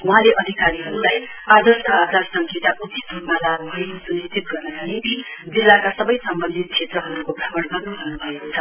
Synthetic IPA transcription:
wuɦãleʔʌd̪ʱikaɾiɦʌɾulaj | ad̪ʱʌrsʌad͡zasʌŋkʰet̪aʔud̪i̥t̪uɾmalaɡbʱʌekosunist̪ʰit̪̚ɡʌrnʌkanit̪id͡zilːakasʌbʌjsʌmbʌnd̪ʱit̪̚kʰet̪rʌɦʌɾukoprʌmʌɽɡʌrnubʱʌrnubʱʌekot͡sʰʌ

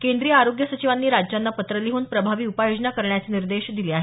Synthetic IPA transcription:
kend̪ɾijəaɾoɡjəsət͡ɕiʋanːiːɾad͡ʑjanːapət̪ɾəliɦuːnpɾəbʱaʋiːupajod͡ʑnakəɾɳjat͡seːniɾd̪eɕd̪iliːaɦe

